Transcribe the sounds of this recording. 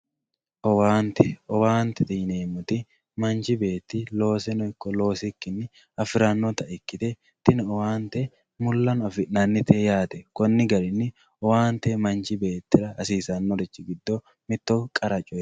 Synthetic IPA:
ʔɔwaːnt̪ɛɔwaːnt̪ɛt̪ɪneːmʊt̪ɪ | mɐnt͡ʃɪbe̞ːt̪ːɪloːsɛnɔɪkːɔlo̞ːsɪkːɪnːɪ | ɐfɪɾanːɔt̪ɐɛkːɪt̪ɛ | t̪ɪnɔwaːnt̪ɛ | mʊlːɐnɐfɪʔnːanːɪt̪ʰejaːt̪ɛkɔnːɪɡɐɾɪnːɪ | ɔwaːnt̪ɛmɐnt͡ʃɪbe̞ːt̪ːɪɾɐːsiːsɐnːɔɾɛt͡ʃːɪɡɪd̪ːo | mɪt̪ːokʼɐɾɐt͡ʃʼɔ

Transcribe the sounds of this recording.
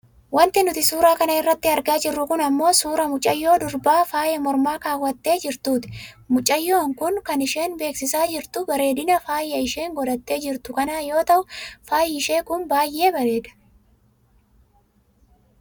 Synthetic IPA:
wɐnt̪ɪnʊt̪ɪsuːɾaːkɐnɐɪrːɐt̪ːɪɐɾɡaːd͡ʒɪrːʊkʊnɐmːo̞ːsuːɾɐmʊt͡ʃʼːɐjːo̞ːd̪ʊɾbaːfaːjɐmɔɾmaːkaːwːɐt̪ːe̞ːd͡ʒɪɾt̪uːt̪ɪ̥ | mʊt͡ʃʼːɐjːo̞ːŋkʊŋkɐnɪʃe̞ːnbe̞ːksɪsaːd͡ʒɪɾt̪ʊbɐɾe̞ːd̪ɪnɐfaːjɐɪʃe̞ːŋɡɔd̪ɐt̪ːe̞ːd͡ʒɪɾt̪ʊkɐnaːjo̞ːt̪ɐʔʊfaːjɪɪʃe̞ːkʊnbaːjʔe̞ːbɐɾe̞ːd̪ɐ̥

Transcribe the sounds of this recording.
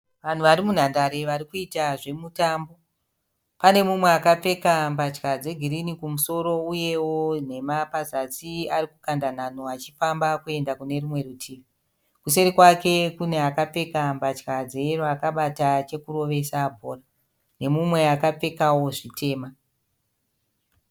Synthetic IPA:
ʋan̤uʋaɾimun̤andaɾe̞ʋaɾikuitaʐe̞mutaːmbo̞ | pane̞mumwe̞akap͡fe̞kambat͡ʃkad͡ze̞ɡʱiɾinikumuso̞ɾo̞uje̞won̤e̞mapazat͡siarikukandan̤an̤oat͡ʃifambakue̞ndakune̞ɾumwe̞ɾutʰiːʋi | kuse̞ɾikwake̞kune̞akap͡fe̞kambat͡ʃkad͡zerakaɓatat͡ʃe̞kuɾo̞ʋe̞sabʱo̞ːra | ne̞mumwe̞akap͡fe̞kawo̞ʐitʰe̞ːma

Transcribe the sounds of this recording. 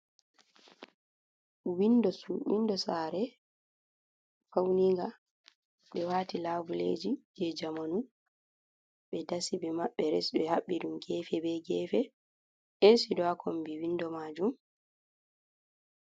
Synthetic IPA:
windɔsuwḭndɔsaɾɛ | fawniŋɡa | ɓɛwaːtilaːvulḛːd͡ʒid͡ʒɛd͡ʒamanu | ɓɛdasibɛmaɓːɛɾɛ̰sɓɛhaɓːiɗumɡɛːfɛbɛɡɛːfɛ | ʔɛsidɔakʰombiwindɔmad͡ʒum

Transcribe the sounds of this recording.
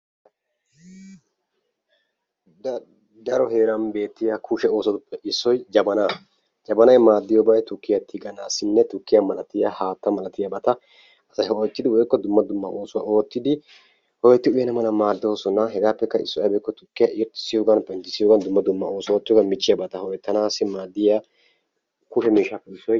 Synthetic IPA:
d̪ɐɾɔheːɾɐnbe̞ːt̪ːɪjakʰuʃɛo̞ːsɔt̪ʊpːɛʔɪsːɔjd͡ʒɐbɐnaː | d͡ʒɐbɐnɐjmaːd̪ːɪjɔbɐjt̪ʊkːɪjɐt̪ːɪɡɐnɐsɪnːɛt̪ʊkːɪjamɐlɐt̪ɪjahaːt̪ːɐmɐlɐt̪ɪjɐbɐt̪ɐ | ɐsɐjhɔɔt̪ːɪd̪ɪwɔjkːɔd̪ʊmːɐd̪ʊmːɐʔoːsʊwa̰ʔoːt̪ːɪd̪ɪ | hɔɡɛt̪ːɪʊjɛnɐmɐnɐmaːd̪ːoːsɔnɐɦɛɡaːpːɛkːɐɪsːɔjɐbɛjkːɔt̪ʊkːɪjaʔɪjɔt̪ːɪ̥sːɪjoːɡɐnpɛnt̪ɪsːɪjoːɡɐnd̪ʊmːɐd̪ʊmːɐo̞ːsoːt̪ːɪjɔɡɐnmɪt͡ʃːɪjɐbɐt̪ɐhɔɛt̪ːɐnaːsːɪmaːd̪ːɪja | kʊʃɛmiːʃːaːpːɛɪsːɔj

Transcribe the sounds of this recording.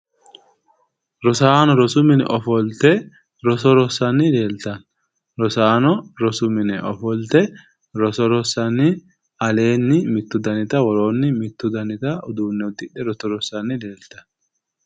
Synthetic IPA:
ɾɔsaːnɔɾɔsʊmɪnɛ̰ʔɔfɔlt̪ɛ | ɾɔsɔɾɔsɐnːɪle̞ːlt̪ɐn | ɾɔsaːnɔɾɔsʊmɪnɛʔɔ̰fɔlt̪ɛ | ɾɔsɔɾɔsɐnɪ | ɐle̞ːnːɪmɪt̪ːʊd̪ɐnɪt̪ɐwɔɾo̞ːnːɪmɪt̪ːʊd̪ɐnɪt̪ɐɔd̪uːnːɛɔt̪ːɪɗɛɾɔtɔɾɔsːɐnːɪle̞ːlt̪ɐ̥n

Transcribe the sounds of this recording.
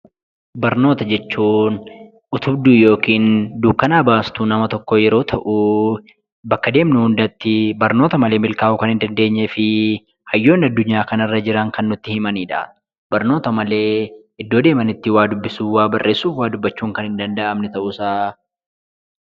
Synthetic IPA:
bɐɾno̞ːt̪ɐd͡ʒɛt͡ʃːuːn | ʊt̪ʰʊbd̪uːjo̞ːkiːnd̪uːbkːɐnaːbaːst̪uːnɐmɐt̪ɔkːɔjɛɾo̞ːt̪ʰɐʔu | bɐkːɐd̪e̞ːmnʊhʊnd̪ɐt̪ːɪbɐɾno̞ːt̪ɐmɐle̞ːmɪlkaːʔʊkɐnhɪnd̪ɐnd̪e̞ːɲːɛfɪ | hɐjːo̞ːnɐd̪ːʊɲːaːkɐnɐrːɐd͡ʒɪɾɐŋkɐnːʊt̪ːɪhɪmɐniːᶑɐ̰ | b̥ɐɾno̞ːt̪ɐmɐle̞ː | ɪd̪ːo̞ːd̪e̞ːmɐnɪt̪ːɪwaːd̪ʊbːɪsuːwaːbɐrːe̞ːsːuːfwaːd̪ʊbːɐt͡ʃːuːŋkɐnhɪnd̪ɐnd̪ɐʔɐmnɛt̪ɐʔʊsaː

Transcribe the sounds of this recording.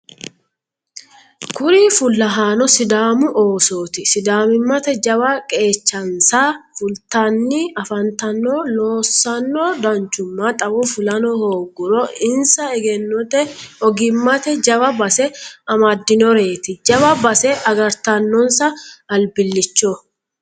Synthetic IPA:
kʊɾiːfʊlːɐɦaːnɔsɪd̪aːmʊʔoːso̞ːt̪ɪsɪd̪aːmɪmːɐt̪ɛd͡ʒɐbɐkʼe̞ːt͡ʃːɐnsaːfʊlt̪ɐnːiɐfɐnt̪ɐnːoːlo̞ːsːɐnːoːd̪ɐnt͡ʃːʊmːat̪ʼɐwɔfʊlɐnɔhoːɡʊɾɔɪnsɐɛɡɛnːɔt̪ɛɔɡɪmːɐt̪ɛd͡ʒɐbɐbɐsɛɐmɐd̪ːɪnɔɾe̞ːt̪ɪd͡ʒɐbɐbɐsɛʔɐɡɐɾt̪ɐnːɔnsɐɐlbɪlːɪt͡ʃːɔ

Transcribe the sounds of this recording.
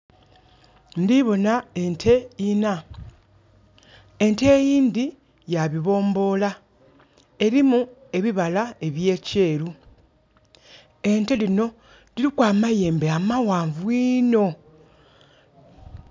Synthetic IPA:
ndiβo̞nae̞ntʰe̞ina | ente̞ːjiːnd̪i | jaβiβo̞ːmbo̞ːla | e̞ɾimue̞βiβalae̞βje̞ːce̞ːɾu | e̞nte̞lino̞ | diɾikwaːmaje̞ːmbeamawaːɱvwiːno̞

